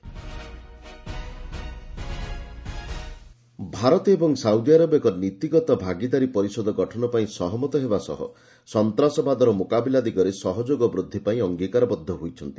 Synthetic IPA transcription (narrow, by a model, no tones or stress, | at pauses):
bʱaɾɔt̪ɔebɔŋsawd̪iaɾɔbekɔnit̪iɡɔt̪ɔbʱaɡid̪aɾipɔɾisɔd̪ʱɔɡɔʈʰɔnɔpaĩsɔɦɔmɔt̪ɔɦebasɔ̰ɦɔ̰ | sɔnt̪ɾasɔbad̪ɔɾɔmokabilad̪iɡɔɾesɔɦɔd͡ʒoɡɔbɾud̪ʱːipaĩɔŋɡikaɾɔbɔd̪ʱːɔɦojt͡ʃʰɔnt̪i